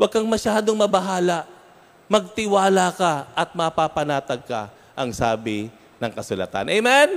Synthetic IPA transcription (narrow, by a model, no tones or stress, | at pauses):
wɐɡ̚kɐŋmɐʃaːd̪oŋmɐbɐɦaːlaʔ | mɐɡ̚t̪ɪwaːlakaʔɐt̪̚mɐpapɐnaːt̪ɐɡ̚kɐ̰ | ʔɐŋsaːbɪ | nɐŋkɐsʊlɐ̰t̪a̰nʔɛjmɛn